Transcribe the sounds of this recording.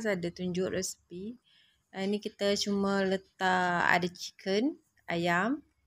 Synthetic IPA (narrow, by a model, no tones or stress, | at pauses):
s̬adat̪uɲd͡ʒʊʔrɛspi | nikit̪at͡ʃumələt̪aʔa̰dat͡ʃi̥kʰən | ajam